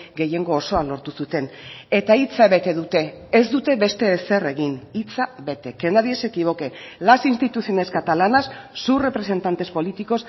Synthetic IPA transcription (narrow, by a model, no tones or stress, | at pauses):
ɡe̞je̞ŋɡo̞ːso̞alo̞ɾt̪usut̪e̞net̪ait͡saβe̞t̪e̞ðut̪e̞ːzd̪ut̪e̞βe̞st̪e̞ːse̞re̞ɣinit͡saβe̞t̪e̞ke̞naðie̞se̞kiβ̞o̞ke̞lasinst̪it̪usio̞ne̞skat̪alanasːure̞pɾe̞se̞nt̪ant̪e̞spo̞lit̪iko̞s